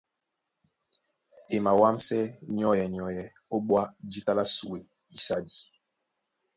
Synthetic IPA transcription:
e˨ma˨wa˦m˦sɛ˦ɲ˦ɔ˦jɛ˨ɲ˨ɔ˨jɛ˨ | o˦ɓwa˦d͡ʒi˦ta˦la˦su˨e˨ | i˨sa˦di˨

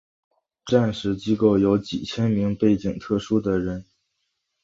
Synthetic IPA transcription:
ʈ͡ʂa˥˧nʂɻ̩˧˥t͡ɕi˥ko˥˩ʊjo˧˥ʊt͡ɕḭ˨˩t͡ɕʰjɛ˥nmi˧˥ŋpe˥˩ɪt͡ɕi˨˩ŋt̪ʰɤ˥˩ʂu˥d̪ə˨ɻə˧˥n

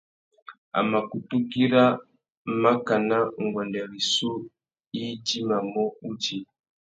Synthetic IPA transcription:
a̰˨ma˨ku˨tu˦ɡi˦ɾa˦ | ma˦ka˨na˦ŋ˨ɡwa˨nda˨ɾi˨su˦ | i˦d͡ʒi˦ma˨mɔ˦u˦d͡ʒi˦

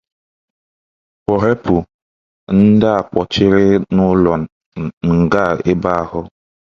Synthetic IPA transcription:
kɔ˨ɾe˦pu˨ | n̩˦da˦a˨k͡pɔ˨t͡ʃɪ˦ɾɪ˦nʊ˦lɔ˨ | ŋ̩˨ɡa˦˨ɪ˦ba˦a˨ɦʊ˦

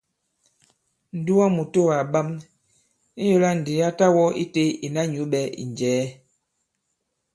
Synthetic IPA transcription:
n̩˨du˦wa˦mu˨to˦˨wa˨ɓa˦m | i˦jo˦la˦n̩˨de˨˦a˦ta˦wɔ˦ḭ˦te˦i˨na˦ɲu˨˦ɓɛ˦ḭ˨n˨d͡ʒɛː˨˦

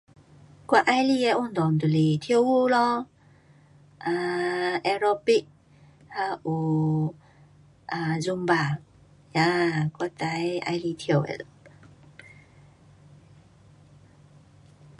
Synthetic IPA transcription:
kwa˧ʔa˧jli˧ɛ˧ʔu˧nd̪ɔ˨nt̪u˨li˨t̪ʰi˧ə˧wwu˧lɔ˧ | ʔa˧ʔɛ˧ɾɔ˧pi˦k̚ | ha˧ʔu˨˩ | ʔa˨zu˧mba˨˩ | ja˧ka˧t̪a˨˧ja̰˧jli˧t̪ʰi˧ə˨wɛ̰˧˨l

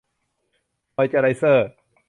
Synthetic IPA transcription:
ɔ˧jt͡ɕa˧˩ɾa˧jsɤː˧˩t̚

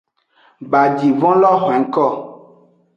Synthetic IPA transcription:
ba˨d͡ʒi˨vɔ̃˦lɔ˦xɛ˨ŋ̩˦kɔ˦˨

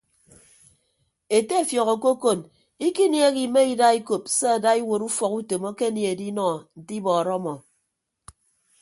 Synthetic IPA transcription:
e˨te˦˨fjɔ˨ɣɔ˨ko˦ko˨n | i˦ki˦nje˦ɣi˨me˦i˦da˦i˦ko˨pse˦a˨da˦i˦wo˨ɾu˦fɔ˨ku˦to˨mo˦ke˦nje˨e˨di˦nɔ˦˨n̩˨ti˦bɔː˨ɾɔ˦mɔ˨

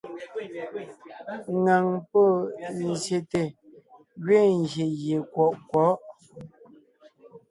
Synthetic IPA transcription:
ŋa˨ŋpo˦˨n˦˨zje˨te˨ | ɣɥe˦˨ŋ˨ɡje˨ɣje˨kwɔ˨ʔkwɔ˨˦ʔ

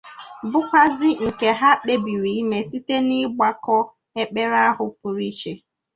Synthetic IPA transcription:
bʊ˦kʷa˦zɪ˦ŋ̩˨ke˨ɦa˦k͡pe˨bi˨ɾi˨˦me˨si˦te˦nɪ˦ɡ͡ba˨kɔ˦ | e˦k͡pe˦ɾa˦ɦʊ˨p̚ʊ˨ɾi˦t͡ʃe˨

